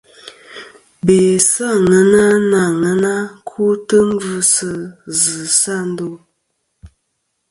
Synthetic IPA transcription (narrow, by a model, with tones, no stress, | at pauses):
be˨sa˦˨ŋə˦na˦na˨ŋə˦na˦kʰu˦tə˦m˦vʉ˦sə˦zɨ˨sa˦˨n̩˦do˦˨